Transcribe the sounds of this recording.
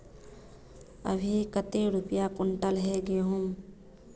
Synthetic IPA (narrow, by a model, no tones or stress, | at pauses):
ə̰bʱikət̪eɾʊpjakʊɳʈəlɦɛɡeɦʊm